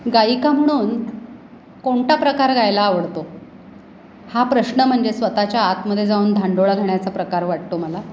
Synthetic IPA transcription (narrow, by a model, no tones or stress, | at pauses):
ɡaikam̤əɽ̃uːn | koɳʈapɾəkaɾɡajlaːʋəɽt̪o | hapɾəɕnəm̤əɳd͡zesʋət̪at͡ɕjaːt̪məd̪ʱːjed͡zauːnd̪ʱaɳɖoɭaɡʱeɽjat͡sapɾəkaɾʋaʈ̚t̪oməla